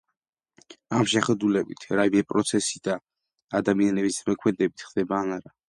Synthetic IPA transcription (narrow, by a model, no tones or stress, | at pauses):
amʃɛχɛd̪ulɛbit̪ʰɾaimɛpʼɾɔt̪sʰɛsi̥d̪̥a | ad̪amianɛbismɛkʰmɛd̪ɛbit̪ʰχd̪̥ɛbaːnaɾa